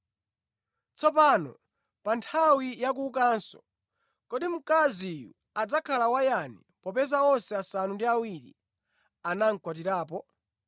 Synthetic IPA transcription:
t͡sɔpanɔ̰ | pantʰawijak̬uːkansɔ̰ | kɔɗim̩kazijṵ | ad͡zakʰalawajani | pɔpɛzaɔnsɛasanundiawiɾḭ | anaŋ̩kwat̬iɾaːp̬ɔ

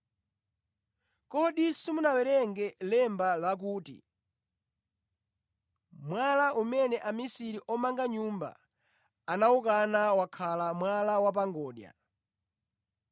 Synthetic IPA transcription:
kɔɗisimunawɛɾɛŋɡɛlɛmbalak̬uːtḭ | mwalaʔumɛnɛʔamisiɾiʔɔmaŋɡaɲumba̰ː | naukanawakʰalamwalawap̬aŋɡɔːɗja̰

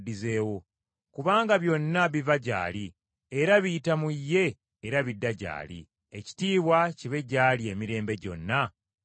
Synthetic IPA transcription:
dizeːwo̞ | kuβaːŋɡaβjo̞nːaβivaɟa̰ːli | eɾaβitamujːe̞ː | ɾaβidːaɟa̰ːlḭ | eci̥tiːβwaciβe̞ɟaːlie̞miɾe̞ːmbe̞ɟo̞̰nːa

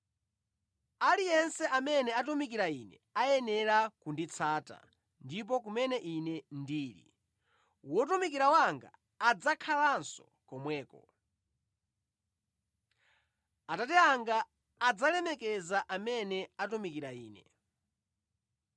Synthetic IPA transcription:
alijɛnsɛʔamɛnɛatumik̬iɾainɛ̰ | ajɛnɛɾakundit͡sʰaːta̰ | ndip̬ɔk̬umɛnɛʔinɛndiːɾḭ | wɔt̬umikiɾawaŋɡa̰ː | d͡zakʰalansɔ̰ | kɔmwɛːkɔ̰ | atatɛaŋɡaː | d͡zalɛmɛkɛzaʔamɛnɛatumikiɾaiːnɛ

